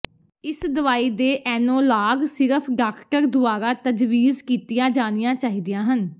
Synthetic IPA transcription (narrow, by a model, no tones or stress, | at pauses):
ɪsd̪əʋaːiːd̪eːʔɛːnõːlaːɡsɪɾəpʰɖaːkʰkəɾd̪ʊaːɾaːt̪əd͡ʒʋiːzkiːt̪ɪjãːd͡ʒaːnɪjãːt͡ʃaːɦiːd̪ɪjãːɦən